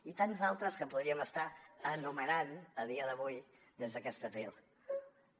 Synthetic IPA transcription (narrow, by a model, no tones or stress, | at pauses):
it̪anzalˠt̪ɾəskəpuðɾiəməst̪aənumənanəð̞iəðəβuj | d̪ezðəkɛst̪əβɾilˠ